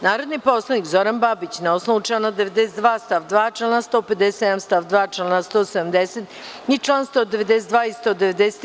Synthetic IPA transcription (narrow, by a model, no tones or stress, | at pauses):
naːɾod̪niposlˠanikzoɾanbabit͡ɕnaosnout͡ʃanad̪eʋed̪eset̪d̪ʋaːst̪aʋd̪ʋaːt͡ʃelenast̪oːped̪ese̥t̪ed̪amst̪aʋd̪ʋaːt͡ʃelnast̪oːsed̪amd̪eset̪ | nit͡ʃlˠanst̪oːd̪eʋed̪esetd̪ʋaːist̪od̪eʋed̪eset̪